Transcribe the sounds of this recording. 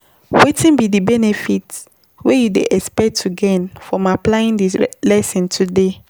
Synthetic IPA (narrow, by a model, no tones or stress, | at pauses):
wetĩnbidibɛnefit | wejudḛʔɛkspɛk̚tʰːuɡɛnfɹɔ̃maplaĩndilɛsĩntʰude